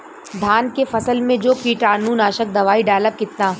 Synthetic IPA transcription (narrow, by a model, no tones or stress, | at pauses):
d̪ʱaːnkefɐsəlmẽd͡ʒoːpiːʈaːnuːnaːʃək̚d̪ɐʋaːiɖaːləb̚kɪt̪naː